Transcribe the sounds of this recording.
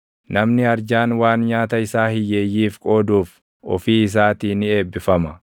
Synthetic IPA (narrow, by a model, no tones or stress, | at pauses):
nɐmnɪɐɾd͡ʒaːnwaːnɲaːt̪ɐɪsaːhɪjeːjːiːfkʼo̞ːd̪uːf | ɔ̰fiːɪs̬aːt̪iːnɪe̞ːbːɪfɐmɐ